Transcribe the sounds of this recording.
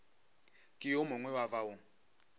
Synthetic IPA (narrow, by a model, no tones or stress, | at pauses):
kʼɪjomʊŋwɛwavaʊ